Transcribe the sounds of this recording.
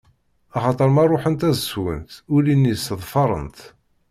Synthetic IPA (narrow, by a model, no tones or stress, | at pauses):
ɑχɑt̪ˤəɾˤmɑrˤːoħənt̪æzəswə̰nt̪ʊlinːisəðˤfɑɾˤə̰nt̪